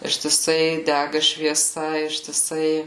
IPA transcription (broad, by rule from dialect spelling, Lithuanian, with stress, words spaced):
ɪʃʲtʲɪˈsɐɪ ˈdʲæɡɐ ʃʲʋʲiɛˈsɐ ɪʃʲtʲɪˈsɐɪ